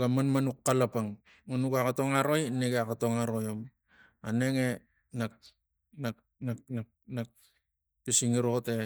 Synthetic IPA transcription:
ɡamanmanukːalapaŋ | monukakato̞ŋaɾo̞jneɡeakatoŋaɾojom | ane̞ŋe | nak̚ | nak̚ | nakna | nak̚ | pisiŋiɾo̞te

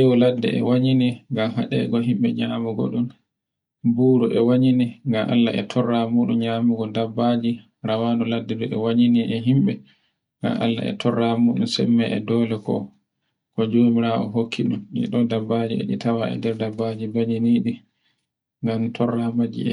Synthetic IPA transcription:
jɛwɔladːɛ̰ʔɛ̰waɲiniŋɡamɦa̰ɗɛ̰ɡɔɦimɓɛɲaːmuɡɔ̰ɗun | buːɾuʔɛwaɲiniŋɡamʔa̰lːa̰ʔɛ̰tʰɔrːamuːɗunɲamuɡɔdabːad͡ʒi | ɾawanɔladːɛdɔʔɛwaɲiniʔɛɦimɓɛ | ŋɡa̰mʔa̰lːa̰ʔɛ̰tʰɔrːamuːɗunsɛmːɛʔɛdɔːlɛkɔ̰ | kɔd͡ʒoːmiɾaɔ̰ɦokʰːiɗumɗḭɗɔdabːad͡ʒiɛ̰ɗitawaʔɛ̰dɛɾdabːad͡ʒibaɲiniɗi | ŋɡamtʰɔrːamad͡ʒḭɛ

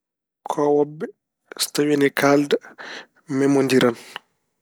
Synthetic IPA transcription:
kʰɔwɔbːɛ | stawinɛkʰalda | mɛmondiɾan

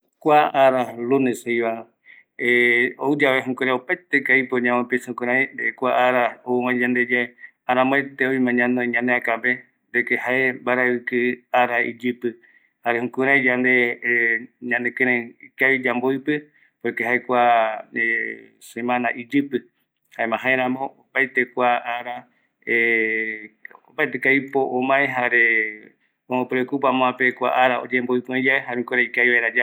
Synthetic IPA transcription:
kʷaaɾaluneshejβa | eoɨd͡ʒaβeɦũkuɾaopajt̪ekaipoɲãmõpisãkuɾajnd̪eekʷaaɾaouwãd͡ʒand̪ed͡ʒae | aɾãmõet̪eojmãɲãnoiɲãneakabe | d̪ekehaembaɾaɨkɨaɾaḭd͡ʒɨpɨ | haɾehũkuɾajd͡ʒand̪e | ɲãnd̪ekẽɾẽkaβid͡ʒambojpɨ | poekeɦaekʷae | sẽ̞mãnaʔid͡ʒɨpɨ | haemãɦãẽɾ̃ãmõ̞opajt̪e̞kʷaʔaɾa | e | opajt̪ekajpoʔomãeɦaɾe | omõpɨɾekupãmõãpekʷa̰ʔaɾao̰d͡ʒemboipɨ̃õd͡ʒaeɦaɾeũkuɾaikajβaeɾad͡ʒa

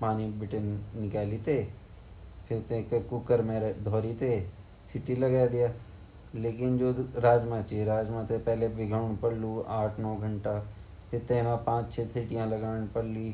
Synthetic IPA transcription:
paːnibɪʈənːɪkaːlit̪eː | pʰɪɾt̪ẽːkkʊkəɾmẽɾd̪ʱɔːɾit̪eː | sɪʈiləɡaːd̪ɪjaː | leːkɪnd͡ʒoːɾaːd͡ʒmãt͡ʃeɾaːd͡ʒmãːt̪epɛːlebɪɡaːɳ̃pəɽluːaːʈʰnɔːɡʱəɳʈaː | pʰɪɾt̪ẽːmãːpãːt͡ʃt͡ʃʰeːsɪʈɪjãːləɡaːɳ̃pəɽliː

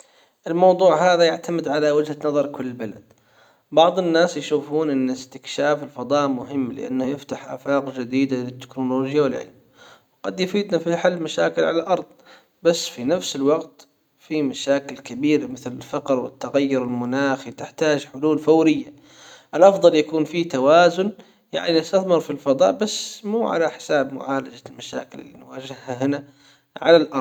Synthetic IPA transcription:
ʔɪlmɑwd̪ˤuːʕhaːðajaʕt̪amɪd̪ʕalawɪd͡ʒhanɑðˤɑɾˤkʊlːbala̰d̪̥ | bɑʕðˤɪnːaːsjʃuːfuːnʔɪnːɪst̪ɪkʃaːfɪlfɑd̪ˤɑːʔmʊɦɪmːlɪ̰ʔa̰nːhajɪft̪aħʔa̰ːfaːqd͡ʒɪd̪iːd̪alɪt̪ːɪ̥knoloːd͡ʒjawɪlʕɪ̰lm | wqɑd̪jʊfiːd̪nafiħalːmaʃa̰ːkɪlʕalalʔɑɾˤd̪ˤ | basːfinafsɪlwɑɡt̪ | fimaʃaːkɪlkabiːɾamɪθlɪlfɑqɾwɪ̰t̪ːaɣajːʊɾɪlmʊnaːxit̪ɪħt̪aːd͡ʒħʊluːlfawɾɪjːa | ʔɪlʔɑfd̪ˤɑljakuːnfit̪awaːzʊn | ja̰ʕninɪst̪aθmɪɾfilfɑd̪ˤɑ̰ːʔbasːmuːʕa̰laħɪ̥saːbmʊ̰ʕaːlad͡ʒalmaʃa̰ːkɪlɪ̰lːḭnwaːd͡ʒɪhhaɦɪna | ʕa̰lalʔɑɾˤ

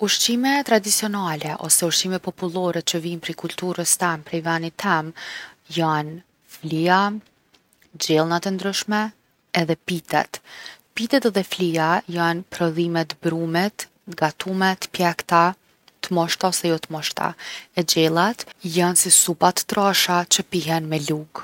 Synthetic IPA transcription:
uʃt͡ʃimɛt̪ɾad̪it͡siɔnalɛʔɔ̰sɛuʃt͡ʃimɛpɔpulˠɔɾɛt͡ʃəvinpɾɛkult̪uɾəst̪ɛmpɾɛvanit̪ʰɛmjan | flia | d͡ʑɛlˠnat̪ɛnd̪ɾyʃmɛː | ðɛpit̪ɛ̰t̪pit̪ɛt̪ðɛfliajanpɾɔðimɛt̪bɾumɛt̪ | ɡat̪umɛt̪pjɛkt̪a | t̪əmɔʃt̪aɔsɛjɔt̪əmɔʃt̪a̰ɛd͡ʑɛlˠat̪jansisupat̪ə̥t̪ɾaʃat͡ɕəpiɦɛnmɛluɡ

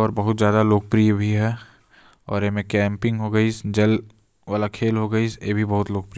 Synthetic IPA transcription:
ɔːɾbɐɦʊt̪zjaːd̪aloːk̚pɾijbʱiɦɛ | ɔ̰ːɾemẽkɛ̃ːmpɪ̃ŋɡɦoɡɐisd͡ʒɐl | ʋaːlakʰeːlɦoɡɐisjebʱibɐɦʊt̪loːk̚pɾi

